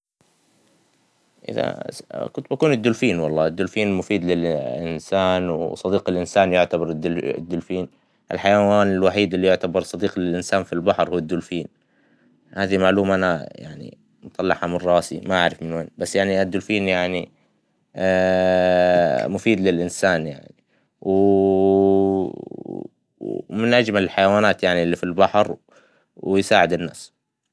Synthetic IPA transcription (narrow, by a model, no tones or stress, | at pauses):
ʔɪ̰ða̰kʊnt̪̚bakuːnɪd̪ːʊlfiːnwɑlˤːɑːʔɪd̪ːʊlfiːnmʊfiːd̪lɪlʔɪ̰nsaːnwsˤɑd̪iːqɪlʔɪnsaːnjʊʕt̪abɑɾˤd̪̰d̪ːʊlfiːn | ʔɪ̰lħajawaːnɪlwaħiːd̪ɪlːijʊʕt̪abɑɾˤsˤɑd̪iːqlɪlʔɪnsaːnfilbaħɾhuːad̪ːʊlfiːn | haːðimaʕluːmaʔanaja̰ʕnḭ | mʊt̪ˤɑlːɑħamɪrˤːɑːsḭmaʔaʕɾɪfmɪnweːnbasːjaʕniad̪ːʊlfiːnjaʕni | mʊfiːd̪lɪlʔɪnsaːnja̰ʕni | w | mɪnʔad͡ʒmalɪlħajawaːnaːt̪jaʕnilːifilbaħɾ | wjsaːʕɪd̪ɪnːa̰ːs